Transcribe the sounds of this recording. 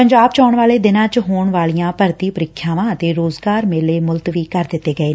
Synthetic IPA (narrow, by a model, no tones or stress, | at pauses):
pəɲd͡ʒaːbt͡ʃɔːɳʋaːleːd̪ɪnãːt͡ʃɦoːɳʋaːlijãːpəɾt̪iːpəɾɪkʰːjaːʋãːət̪eːɾoːzɡaːɾmeːleːmʊlt̪ʋiːkəɾd̪ɪt̪ːeːɡəeː